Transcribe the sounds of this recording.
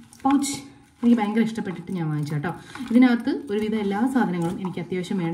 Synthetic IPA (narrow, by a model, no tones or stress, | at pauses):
pɐwt͡ɕː | e̞nikʲːɨbeːŋɡɐɾɐiʂʈɐpːe̞ʈːiʈːɨɲaːnʋaːnit͡ɕːaːʈːoːiðinaːt̪ːɨo̞ɾuʋid̪ʱɐelːaːsaːd̪ʱɐnɐŋːɐɭume̞nikʲːɨɐt̪jaːʋɐɕɐmeːɳɐ